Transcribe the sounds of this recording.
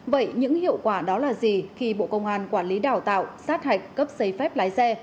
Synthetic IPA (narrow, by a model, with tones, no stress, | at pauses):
və̰˧˨jɲɨ̰˧˥ŋhḭ˧˨əwkwaː˧˩ɗɔ˨˦laː˨˩zi˨˩xi˧ɓo̰˧˨kə˧wŋ͡mʔaː˧˩nkwaː˧˩nli˨˦ɗaː˧˩wt̪a̰ː˧˨wsaː˦˥t̚ha˨˩jk̟̚kə˦˥p̚sə˨˦jfɛ˦˥p̚laː˨˦jsɛ˧